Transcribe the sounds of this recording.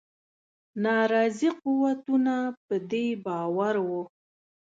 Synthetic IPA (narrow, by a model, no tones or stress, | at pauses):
nɑɾɑziquwat̪unapəd̪ebɑwaɾwu